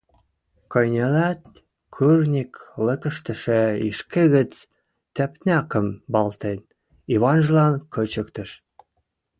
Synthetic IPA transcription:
kɤ̆jnʲelæt̪̚ | kʰyrnʲiklə̆kə̆ʃt̪ə̆ʃĕiʃkeɣə̆t͡s | t̪æpnʲɑkə̆mbɑlt̪en | iβɑnʒəlɑnkɤt͡ɕə̆kt̪ə̆ʃ

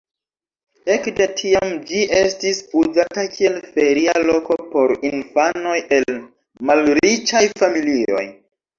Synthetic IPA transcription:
e̞kde̞tʰiamd͡ʒiʔe̞stisuzatakʰie̞lfe̞ɾialo̞ko̞po̞ɾinfano̞jʔe̞l | malɾit͡ʃajfamilio̞̰j

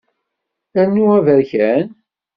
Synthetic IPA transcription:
ænːuævəɾçæn

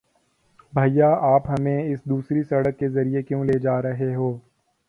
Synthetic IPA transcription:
bʱaːijaːaːpɦɐmẽɪsd̪uːsɾisɐɽəkːezɐɾijekjõːleːd͡ʒaːɾɐɦeɦoː

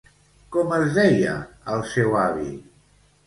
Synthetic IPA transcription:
kɔməzðɛjə̰əlˠsɛwaβi

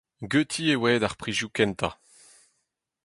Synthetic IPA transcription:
ɡøt̪ʰiewɛːd̪aʁpχiʒjukɛnt̪a̰

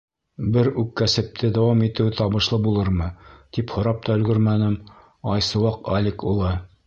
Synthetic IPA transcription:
bɘɾʉkːæsɘ̆p̚t̪ʰɘd̪æwɑmit̪ɘwt̪ɒbɤ̆ʃlˠɤbulˠɤɾmɤt̪iphŏɾɑp̚t̪ɑɵ̆lɡɵɾmænɘm | ɑjsɤ̆wɑqalʲekulˠɤ

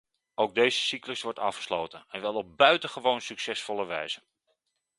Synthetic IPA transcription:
owɡ̚dejzəsikləsʋɔɹtɑfχə̥slowtənɛnʋɛlˠɔb̚bœɥtəχəʋownsyksɛsfɔlˠəʋɛ̰jz̥ə

